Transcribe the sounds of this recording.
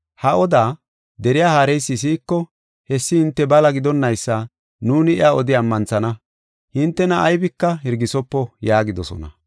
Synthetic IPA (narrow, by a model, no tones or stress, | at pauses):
hɐʔɔd̪aː | d̪ɛɾɪjaːhaːɾɛjsːɪs̬iːkːɔ | hɛsːɪhɪnt̪ːɛbɐlɐɡɪd̪ɔnːɐjsːa | nuːnɪɪaːɔd̪ɪɐmːɐnt͡sɐnɐ | hɪnt̪ːɛnɐʔːjbɪkːɐɦɪɾɡɪsɔpːɔjaːɡɪd̪ɔsɔ̰nɐ̰